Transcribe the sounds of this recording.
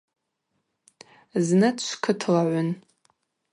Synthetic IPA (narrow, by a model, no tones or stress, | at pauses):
znɨtʰʃʷkʰɨtʰlaʕʷʊn